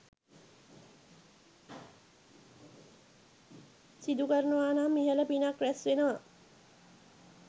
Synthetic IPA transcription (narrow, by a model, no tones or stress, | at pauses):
sid̪ukəɾənəʋaːnaːmiɦələpinakɾæsʋenəʋa